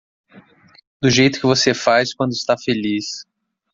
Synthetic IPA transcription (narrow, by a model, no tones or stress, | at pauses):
d̪ʊʒejt̪ʊ̥kɪvosefajskwɐ̃nd̪ʊɪst̪afelis